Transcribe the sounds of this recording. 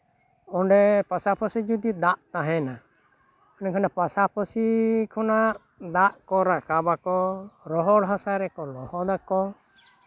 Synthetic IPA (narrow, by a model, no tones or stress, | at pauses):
ɔɳɖɛpasapʰɔsid͡ʒud̪id̪aʔt̪aɦɛna | ɔnikʰanapasapʰɔsikʰɔnaʔ | d̪aʔkɔɾakabakɔɾɔɦɔɽɦasaɾɛkɔlɔhɔd̪akɔ